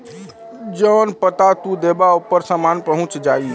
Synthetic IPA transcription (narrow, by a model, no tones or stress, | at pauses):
d͡ʒənpət̪at̪ud̪ebaupːəɾsəmanpəɦũt͡ʃd͡ʒai